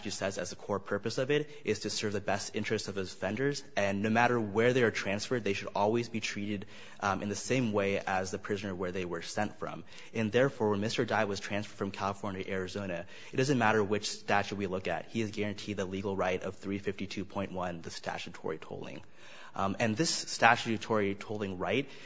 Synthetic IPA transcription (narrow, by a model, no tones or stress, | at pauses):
t͡ʃɨsɛzɨzðɨkʰɔɹpʰɜ˞pɨsʌvɪɾ | ʔɪz̥tʰɨsɜ˞vðɨbɛstɪ̰̃nt͡ʃɹ̥ɨstsʌv̥ɨz̥fɛ̃ndə˞zɨ̃nːoʊmæɾə˞wə˞ðeɪə˞tʰɹ̥æ̃nsfə˞d̪̚ðeɪʃɨɾɔlˠwizbitʰɹ̥iɾɨɾ | ʔɨ̃nðɨsẽɪ̃mweɪəzðɨpʰɹ̥ɪzɨnə˞wə˞ðeɪwə˞sɛ̃ntfɹʌ̰̃m | ɨ̃nðɛɹfɔɹw̃nmɪstə˞daɪwʌz̥tʰɹ̥æ̃nsfə˞d̥fɹʌ̃mkʰælˠəfɔɹnjɨʔɛɹɨzõʊ̃ñɨ | ɨt̚d̥ʌzɨ̃nmæɾə˞wɨt͡ʃstæt͡ʃd̚wilʊkɨ̰t̚hiɨzɡɛɹɨ̃ntʰid̪̚ðəliɡl̩ˠɹaɪɾʌv̥θɹifɪftitʰʉpʰɔ̃ɪ̃nʔwʌ̃nðɨstʰæ̰t͡ʃɨtʰɔ̰ɹitʰo̰ʊlˠɪ̰̃ŋ | ɨ̃nðɪstæt͡ʃʉtʰɔɹitʰoʊlˠɪ̃ŋɹaɪt̚